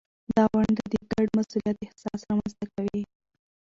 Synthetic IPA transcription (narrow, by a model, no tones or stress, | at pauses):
d̪ɑwaɳd̪əd̪eɡaɖmasulijat̪ɪht̪ɪ̥sɑsɾɑmanst̪akawi